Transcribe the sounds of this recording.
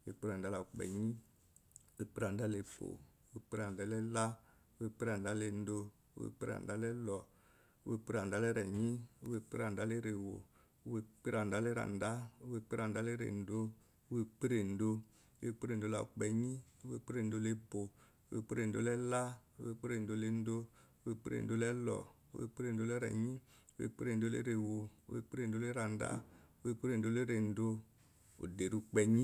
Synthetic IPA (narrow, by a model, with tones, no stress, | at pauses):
we˧˨k͡pi˦ɾa˨n˨da˦la˨k͡pɛ̰˨ɲĩ˦ | we˧˨k͡pi˦ɾa˨n˨da˦le˧bo̰˨u˦we˧˨k͡pe˦ɾa˨n̩˨da˦lɛ˦la˦ | u˦we˧k͡pe˦ɾa˨n̩˨da˦le˧n̩˦do˧ | u˦wḛ˧˨k͡pe˦ɾa̰˨n̩˨da˦lɛ˦lɔ˨ | u˦we˧k͡pi˦ɾa˨n˨da˦lɛ˦ɾɛ˨ɲĩ˦u˦we˧k͡pe˦ɾa˨n̩˨da˦le˦ɾe˨wo̰˨˦ | we˧k͡pe˦ɾa˨n̩˨da˦lɛ˦ɾa̰˨n˨da˦u˦we˧k͡pe˦ɾa˨n˨da˦le˦ɾḛ˨n̩˨˦do˦ | e˧k͡pe˦ɾe˨n̩˨do̰˧˦ | we˧k͡pe˦ɾe˨n̩˨do˨˧la̰˧ṵ˨k͡pɛ˧ɲi˦o˦we˦˧k͡pe˦ɾe˨n˨do˧˦le˦bo˨ | o˦wḛ˧˨k͡pe˦ɾe˨do̰˦lɛ˦la˦ṵ˦wḛ˧˨k͡pe˦ɾe˨n̩˨do˧˦le˦n̩˦do˦o˦we˧k͡pe˦ɾḛ˨n˨do˦lɛ˦lɔ̰˨ | o̰˦wḛ˧k͡pe˦ɾe˨n˨do˧˦lɛ˦ɾɛ̰˨ɲi˦ | wḛ˨˧k͡pe˦ɾe˨do˨˦lḛ˦ɾe˨wo˨u˦wḛ˧k͡pe˦ɾe˧˨n̩˨do˦le˦ɾa˨n˨da̰˦o˦we˧k͡pe˦ɾe˨n˨do˨˧˦le˦ɾe˨n̩˨do˧ | o̰˨de˨ɾu˧k͡pɛ˧ɲi˦